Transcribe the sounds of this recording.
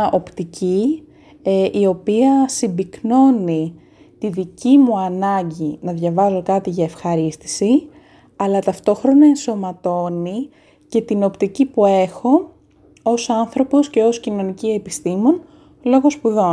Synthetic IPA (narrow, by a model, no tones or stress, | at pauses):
ʔo̞pt̪ici | ʔio̞piɐsimbikno̞ni | t̪iðicimuɐnɐɲɟinɐðʝɐvɐzo̞kɐt̪iʝɐe̞fxɐɾist̪i̥si | ɐlɐt̪ɐft̪o̞xɾo̞nɐe̞nso̞mɐt̪o̞ni | ce̞t̪ino̞pt̪icipue̞xo̞ | osɐnθɾo̞po̞sce̞o̞scino̞nicie̞pist̪imo̞n | lo̞ɣo̞spuðo̞